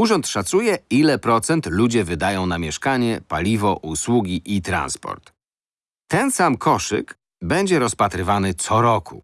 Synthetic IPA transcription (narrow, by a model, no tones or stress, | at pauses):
uʐɔnt̪ʂat̪sujɛilɛpɾɔt̪sɛnt̪lud͡ʑɛvɘd̪ajɔ̃w̃namʲjɛʂkaɲɛpalʲivɔʔuswuɡʲiʔit̪ɾa̰nspɔ̰ɾt̪ː | ɛnsamkʰɔʂɘ̰k | bɛɲd͡ʑɛɾɔspat̪ɾɘvanɘt̪sɔɾɔkṵ